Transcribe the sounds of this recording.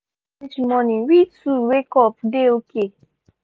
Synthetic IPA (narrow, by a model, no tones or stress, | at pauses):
it͡ʃimɔ̃nĩwituwekɔpdeoke